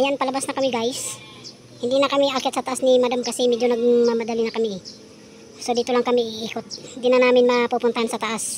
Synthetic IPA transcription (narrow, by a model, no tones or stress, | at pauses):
ʔɐjanpɐlɐbasnɐkɐmɪɡajs | hɪnd̪inɐkɐmiʔakɪt̪sɐt̪ɐʔasnimɐd̪amkɐsɛmɛd͡ʒonɐɡ̚mɐmɐd̪ɐlɪnɐkɐmiɪ | sod̪iːt̪olaŋkɐmɪʔɪʔiːkot̪̚hɪnd̪inɐnaːmɪnmɐpupʊnt̪ɐhansɐt̪ɐʔas